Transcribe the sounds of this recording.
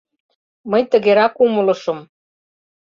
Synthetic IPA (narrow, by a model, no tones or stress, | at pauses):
məjt̪ə̆ɣeɾɑkumə̆lɤ̆ʃɤ̆m